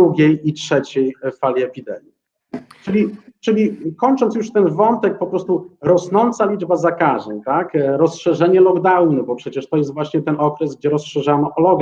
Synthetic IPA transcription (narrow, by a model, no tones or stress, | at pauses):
uɡʲejitʂɛt͡ɕɛjfalʲiɛpʲid̪ɛ̰mʲji | t͡ʂɘlʲit͡ʂɘlʲikɔɲt͡ʂɔnt̪sjuʂt̪ɛnvɔnt̪ɛk̚pɔpɾɔst̪uɾɔsnɔnt̪salʲid͡ʐbazakaʐɛ̰ɲt̪akɾɔsʂɛʐɛɲɛlɔɡd̪awnɘbɔpʂɛt͡ɕɛʂt̪ɔjɛst̪vwaɕɲɛt̪ɛnɔkɾɛsɡd͡ʑɛɾɔsʂɛʐanɔʔɔlɔɡ